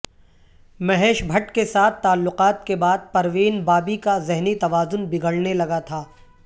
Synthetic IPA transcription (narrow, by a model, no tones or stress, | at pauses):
mɐɦɛːʃbʱɐʈkesaːt̪ʰːaːlːʊqaːt̪̚kebaːd̪̚pɐɾʋiːnbaːbikazɪɦnit̪ɐʋaːzʊnbɪɡəɭnelɐɡat̪ʰaː